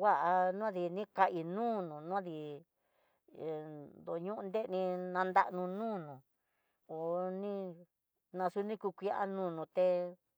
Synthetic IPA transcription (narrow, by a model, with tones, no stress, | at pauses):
wa˦ʔa˧nũ˦a˦ði˧nĩ˦ka˧ʔi˧nũː˦nũ˨nũ˦ði˧˨ | d̪o˨ɲũ˦ʔnd̪e˦˧nĩ˧nã˧nd̪a̰˦ʔnũ˧nũː˦˨nũ˨ | o˨nĩ˦ | nã˧su˧nĩ˦ku˧kʷi˧˦ʔa̰˦nũː˦˨nũ˧t̪e˧